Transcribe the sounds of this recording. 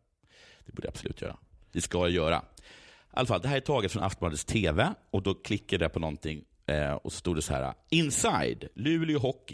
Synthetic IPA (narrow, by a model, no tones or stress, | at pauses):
d̪̥ɛbuːɖəja̰bsɔlʉ̟ːt̪jœ̰ːɾa̰vɪskajjœːɾa̰ʔa̰lːafald̪ɛhɦæːɾæʈʰɑːɡət̪fɾɔna̰ft̪ɔmbɑːd̪əst̪ʰeːvɛɔd̪ɔkʰlɪkːəɖæɾpʰɔnɔnt̪ʰɪŋː | ɔ̰sɔ̥st̪uːɖɛsɔhæ̰ːɾa̰ɪnsajd̪lʉ̟ːlɪʊɦɔkːɪ